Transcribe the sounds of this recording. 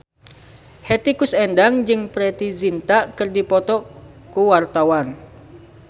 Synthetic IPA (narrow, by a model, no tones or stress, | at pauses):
hɛt̪ikusɛndaŋd͡ʒɨŋpɾɛt̪izint̪aʔkɨrdipɔt̪ɔ | kuwart̪awan